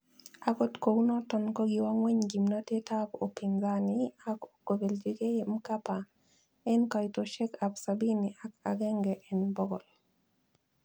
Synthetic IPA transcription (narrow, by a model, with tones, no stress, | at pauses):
a˨kɔ˦tko˨wnɔ˦tɔ˨nkɔ˦ɡi˨wa˦ŋwe˦ɲɡi˨mna˦te˦ta˦ko˨pi˨ŋzania˦ko̥˨ko˨be˨ld͡ʒi˦ɡe˦m̩ka˦pa˨ | ɛ˦nka˨jto˨ʃɛ˦ka˨bsabi˦niʔa˦ka̰˨ɡɛ˦ŋɡɛʔɛnbɔ˦ɡɔ˨l